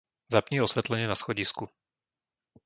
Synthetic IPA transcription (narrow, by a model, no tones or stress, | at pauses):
zapɲiːɔsʋɛt̪lɛɲɪɛnasxɔɟisku